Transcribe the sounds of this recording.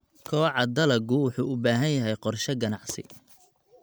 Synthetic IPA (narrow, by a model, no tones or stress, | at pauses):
kʰɔːʕɑd̪ɐlɐɡʊwʊħuːʊbaːɦɐnjɐɦɛjqɔrʃɐɡɐnɑʕsɪ̰